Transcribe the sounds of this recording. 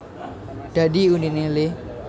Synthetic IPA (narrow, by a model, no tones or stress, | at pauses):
d̥adiuninɪlɪ